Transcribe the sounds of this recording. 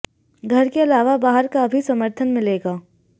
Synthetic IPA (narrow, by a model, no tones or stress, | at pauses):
ɡʱɐɾkeɐlaːʋabaːɦəɾkaɐbʱisɐməɾt̪ʰənmɪ̃leːɡaː